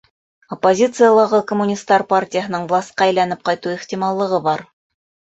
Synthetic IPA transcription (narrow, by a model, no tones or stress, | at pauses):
opːozʲit̪sɨjəlˠɑʁɤkomːunʲist̪ːɑɾpartʲɪjəɦɤ̆nɤɴvlˠasʲt̪̚qɑæjlænɘp̚qɑjt̪uiχt̪ʲimɑlˠːɤ̆ʁɤbɑɾ